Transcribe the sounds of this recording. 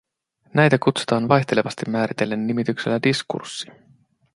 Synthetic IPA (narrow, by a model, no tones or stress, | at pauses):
næjt̪ækut̪su̥t̪ɑːnʋɑjt̪e̞le̞ʋɑst̪imːæːɾit̪e̞lːe̞nːimit̪ykse̞lːædiskṵrsːi̥